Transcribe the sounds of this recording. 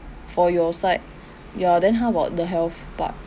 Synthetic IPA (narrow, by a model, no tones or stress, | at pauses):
fɔjɔsaɪt̚ | juadɛ̃nɦavaʊt̚dəɦɛlθb̥a̰t̚